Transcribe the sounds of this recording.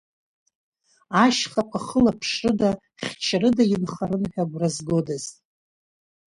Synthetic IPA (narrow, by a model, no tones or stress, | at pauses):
aʃχakʷʰʼaχəlapʰʂrɨda | χʲt͡ʃʰrɨdajɪmχaɾɨnħᶣaɡʷrazɡo̞daz̥